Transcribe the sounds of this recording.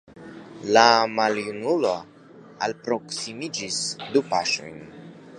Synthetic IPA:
lamaljunulo̞ | alpɾo̞ksimid͡ʒisdupaʃo̞̰jn

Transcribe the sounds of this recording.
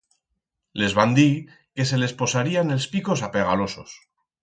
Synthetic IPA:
le̞zβand̪i | ke̞se̞le̞spo̞saɾiane̞lspiko̞s̬apeɣ̞alo̞sos

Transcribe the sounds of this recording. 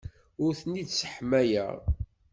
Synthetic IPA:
ʊɾθənːid̪sə̥ħmæjæ̰

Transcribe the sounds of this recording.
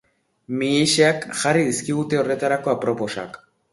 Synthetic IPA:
mieʃeakxarið̞iskiɣ̞ut̪e̞o̞re̞t̪aɾako̞apɾo̞po̞sa̰k

